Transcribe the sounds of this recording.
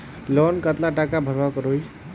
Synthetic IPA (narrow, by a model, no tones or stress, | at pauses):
lɔnkət̪laʈakabʱəɾbakɾoj